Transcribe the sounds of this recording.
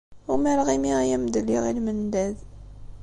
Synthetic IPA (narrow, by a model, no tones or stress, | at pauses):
ʊmæɾʁimiʁæjæmd̪əlːiʁilmənd̪æð